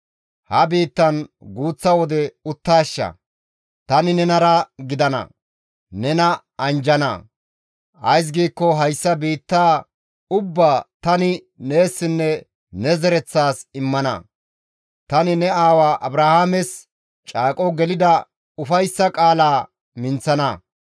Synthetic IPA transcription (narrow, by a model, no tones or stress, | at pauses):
hɐbiːt̪ːɐnɡuːt͡sːɐwɔd̪ɛʊt̪ːaːʃːɐ̰ | t̪ɐnɪnɛnɐɾɐɡɪd̪ɐnɐ̰ | nɛnɐ | ɐnd͡ʒɐnɐ̰ | ɐ̰js̬ɡiːkːɔɦɐjsːɐbiːt̪ːaː | ʊbːaːt̪ɐnɪ | neːsːɪnːɛ | nɛzɛɾɛt͡sːaːsɪmːɐnɐ̰ | t̪ɐnɪnɛaːwaːʔɐbɾahaːmɛs | t͡ʃʼaːkʼɔɡɛlɪd̪ɐ | ʊfɐjsːɐkʼaːlaː | mɪnt͡sːɐnɐ̰